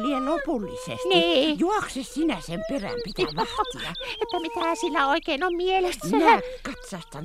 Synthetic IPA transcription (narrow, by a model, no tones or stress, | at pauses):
lieopulːisḛstniiːjuɑksessinæsemperæ̰mpit̪ʋɑt̪iɑ̰et̪ːæmit̪æsilːæoikeinommielesmːænækɑt̪sɑst̪ɑn